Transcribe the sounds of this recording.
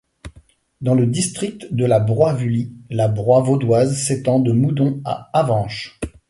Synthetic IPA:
d̪ɑ̃ləd̪ist̪χik̚t̪d̪əlabʁwavylilabʁwavod̪wazset̪ɑ̃d̪əmud̪ɔ̃a̰avɑ̃ʃ

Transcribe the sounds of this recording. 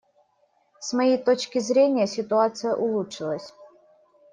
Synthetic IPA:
smɐjejt̪o̞t͡ɕkʲɪzɾʲenʲɪjəsʲɪt̪ʊat̪sɨjə̰ʔʊlˠutʂɨlˠəsʲ

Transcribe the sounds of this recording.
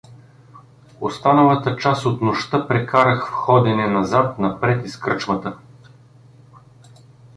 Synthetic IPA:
ost̪anɐlˠɐt̪ət͡ʃasot̪noʃt̪ɤpɾɛkaɾəxfxɔd̪ɛnɛnɐzat̪nɐpɾɛt̪iskɾɤt͡ʃvɐt̪ə

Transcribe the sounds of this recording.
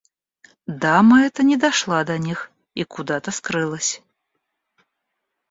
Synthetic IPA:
d̪amɐɛt̪ɐnʲɛd̪aʂlˠad̪ɐnʲix | ikud̪at̪ɐskɾɨlˠɐsʲ

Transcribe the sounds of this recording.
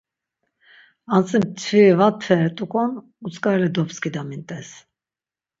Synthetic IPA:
ant͡sʼimt͡sʰvivat̪ʰfɛɾt̪ʼukʼɔn | ut͡sʼkʼaɾɛlɛd̪ɔpskʰid̪amint̪ʼɛs

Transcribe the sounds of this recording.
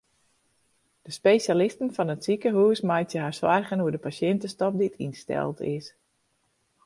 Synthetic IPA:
d̥əspesalɪstənfɔnətsikəɦuːsmajtjəɦaɹswarχənuədəpasjɛntəstɔp̚ditʰḭnstɛ̰lˠtɪs

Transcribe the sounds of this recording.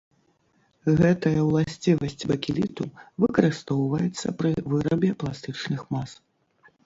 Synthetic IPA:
ɣɛt̪ɐjɐwlˠasʲt͡sʲivɐsʲt͡sʲbɐkʲilʲit̪uvɨkɐɾɨst̪ɔwvɐjɛt̪sːɐpɾɨvɨɾɐbʲɛplˠast̪ɨt͡ʂnɨxmas

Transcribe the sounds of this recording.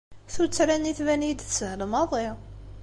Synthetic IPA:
θut͡sːɾæniθvænid̪θsəhlmɑðˤɪ

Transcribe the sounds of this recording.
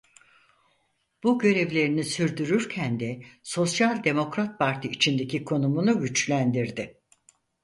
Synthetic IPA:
b̥uɟø̞ɾevlʲe̞ɾinisyɾd̪yɾyɾcʰænd̪ɛso̞sjalʲd̪e̞mo̞kɾat̪̚pʰaɾt̪ʰiit͡ʃʰind̪e̞cikʰo̞numunuɟyt͡ʃlʲænd̪iɾd̪ɪ

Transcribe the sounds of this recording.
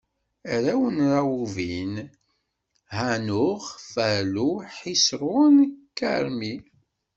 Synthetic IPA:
ɾæwənɾawuvin | hænʊʁfæluħisɾʊnkːə̰ɾmi

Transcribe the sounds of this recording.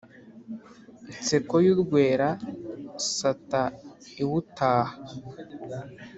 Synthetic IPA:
it͡sekojudɡweːɾa | sataiwutaːha

